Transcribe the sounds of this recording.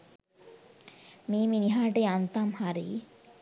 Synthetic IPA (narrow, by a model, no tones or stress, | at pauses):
miːminiɦaːʈeant̪amhaɾḭː